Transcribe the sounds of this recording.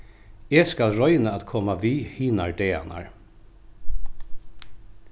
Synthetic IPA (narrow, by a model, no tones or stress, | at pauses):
eːskalɾɔʏnəat̪kʰɔmaʋiːhiːnaɹɖ̪eːa̰na̰ɹ